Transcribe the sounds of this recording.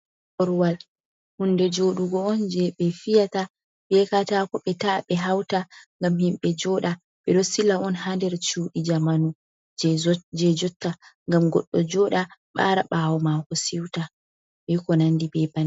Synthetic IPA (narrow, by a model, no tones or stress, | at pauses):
ʔɔɾwal | hundɛd͡ʒoɗuɡɔɔnd͡ʒɛɓɛfijata | bɛkatakɔɓɛtaɓɛɦawtaŋɡamhimɓɛd͡ʒɔːɗa | ɓɛɗɔsilaʔɔnhandɛɾt͡ʃuːɗid͡ʒamanu | d͡ʒɛd͡ʒɔtːaŋɡamɡɔ̰ɗːɔd͡ʒɔɗaɓa̰ɾa̰ɓawɔmakɔsiwta | ɓɛkɔnandibɛban